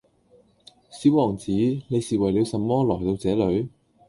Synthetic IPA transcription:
siː˨˥wɔː˨˩ŋt͡siː˨˥ne˨˧jsiː˨wɐ˨˩jliː˨˧wsɐ˨mːɔː˥lɔː˨˩jt̪o˧wt͡sɛː˨˥lɵ˨˧ɥ

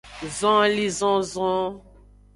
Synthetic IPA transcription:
zɔ̃˦li˦zɔ̃˦zɔ̃˦

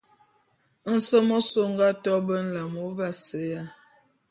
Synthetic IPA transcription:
n̩˨sə˦mɔ˦so˦ŋɡa˦tɔ˦bə˦n̩˦la˨mo˨˦va˦sə˨˦ja˦

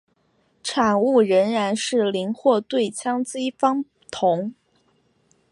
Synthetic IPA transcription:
ʈ͡ʂʰa˨˩ŋu˥˩ɻə˧˥nɻa˧˥nʂɻ̩˥˩li˧˥nxwɔ˥˧t̪we˥˩ɪt͡ɕʰjɑ˥ŋt͡si˥fɑ˥ŋ | t̪ʰʊ˧˥ŋ

